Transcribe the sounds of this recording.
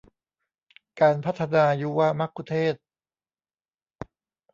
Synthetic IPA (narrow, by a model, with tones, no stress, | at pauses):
kaː˧npʰa˦˥t̪ʰːa˧naː˧juː˦˥waː˦˥˩ma˦˥kʰːu˧t̪ʰeː˥˩t̪̚